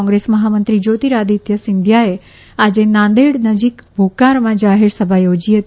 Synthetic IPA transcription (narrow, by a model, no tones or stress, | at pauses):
ɔ̃ŋɡɾesməɦamənt̪ɾid͡ʒot̪iɾad̪it̪jəsɪnd̪ʱjae | ad͡ʒenãnd̪eɽnəd͡ʒikbʱokaɾmãd͡ʒaɦeɾsəbʱajod͡ʒiɦət̪